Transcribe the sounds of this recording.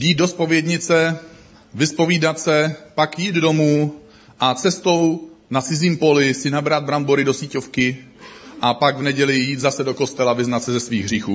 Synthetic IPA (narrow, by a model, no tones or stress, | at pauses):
jiːt̪̚do̞spo̞vjɛdɲɪt͡sɛ | vɪspo̞viːdat̪sɛpakjiːd̪do̞muː | ʔat͡sɛst̪o̞wnat̪t͡sɪziːmpo̞lɪsɪnabɾad̪̚bɾambo̞ɾɪdo̞siːco̞fkɪ | ʔapaɡvnɛɟɛlɪjiːt̪zasɛdo̞ko̞st̪ɛlavɪznat̪sɛzɛsviːɣɦr̝iːxuː